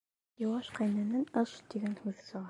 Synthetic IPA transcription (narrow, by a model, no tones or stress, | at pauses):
jɑwɑʃqæjnænɘnɤʃt̪iɡænhʉðsɤ̆ʁɑ